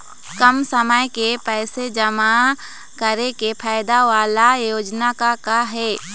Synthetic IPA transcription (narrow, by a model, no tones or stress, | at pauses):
kəmsəməjkepɛːsed͡ʒəma | kəɾekepʰaːɪd̪aʋaːlajoːd͡ʒnakakaɦɛː